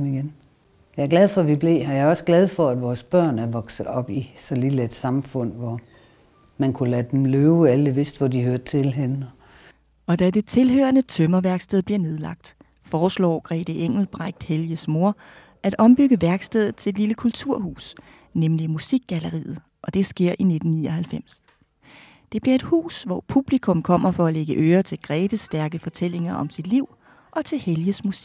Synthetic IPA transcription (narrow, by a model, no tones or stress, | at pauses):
miɡen | jɑ̈æɐɡ̥læð̞ˠfɒ̽ʋib̥le̝̰ːhɑ̈jɑ̈ɪɒ̽səɡ̥lɛð̞̩ˠfɒæd̥ʋɒːsb̥ɶɐ̰næɐʋɒ̽ɡ̥sð̩ˠɒ̽b̥isɒ̽liled̥sɑ̈mfɔ̽n̰ʋɒ | mænkʰulæd̥emløːʊæləʋe̝sd̥ʋɒd̥ihøɐd̥̚t͡sʰe̝lɦenɒ | ɒ̽d̥æd̥e̝t͡sʰe̝lɦøɐnət͡sʰømɐʋæɐɡ̥sd̥eðˠb̥liɐne̝ð̞ˠlɑ̈ɡ̥̚d̥ | fɒːslɒ̰ːɡ̥ʁɛ̰ːd̥əʔeŋ̰l̩b̥ʁaɡ̥̚d̥heljəsmo̝ɐ̰ | ʔæd̥ɒ̽mb̥yɡ̥əʋæɐɡ̥sd̥eð̞̰̩ˠt͡sʰe̝d̥liləkʰult͡sʰuɐ̰hṵːs | nemlimusiɡ̥̚ːæləʁḭːð̩ˠ | ʔɒ̽d̥e̝sɡ̥e̝ɐ̰ʔine̝d̥n̩niɒɦælfem̰s | d̥e̝b̥liɐe̝d̥hṵːsʋɒpʰub̥likʰɔ̽mkʰɒ̽m̰ɐfɒ̽æleɡ̥əʔøːɐt͡sʰe̝lɡ̥ʁɛːd̥əsd̥æɐɡ̥əfɒ̽t͡sʰel̰e̝ŋɐʔɒ̽msid̥liʊ̰ | ʔɒ̽t͡sʰe̝lheljəsmusiɡ̥